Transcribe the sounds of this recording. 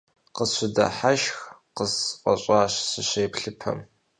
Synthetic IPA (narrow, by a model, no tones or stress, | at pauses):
qəɕʷʊdɐ̰ħaʃx | qəzqʷʼɐ̰ɕʼaːɕsɨɕeːpʰɬɨpʰɐ̰m